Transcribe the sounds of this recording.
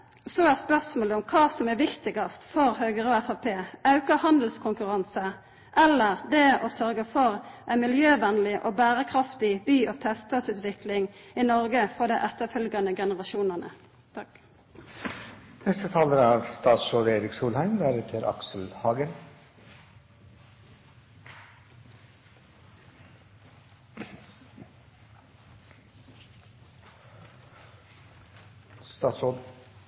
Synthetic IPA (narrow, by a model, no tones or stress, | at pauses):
sɔæːspœʁsmoːləʊmkʰɑːsɔmæʋɪkt̪ɪɡɑst̪fɔɾhøːɡəɾɔæfɑpʰeːɑʉkəhɑnd̪l̩skʰʊŋkʉʁɑnsə | ʔɛlːəʁd̪ɛɔsœʁɡəfɔʁʔæɪnmɪljøːʋɛnlɪʔɔbæːɾəkʰɾɑft̪ɪbyːɔt̪ʰɛst̪ɑsʉːt̪ʋɪklɪŋɪnɔɾɡəfɔd̪æɪʔɛt̪ːəfœlɡɑnəɡɛnəʁɑʃuːnənə̰ | nɛst̪ət̪ʰɑːlənəɑːʋst̪ɑːt̪soːd̪eːɾɪksuːlhæɪmd̪æːɾet̪ʰɪɾʔɑ̰ksl̩hɑːɡən | st̪ɑːso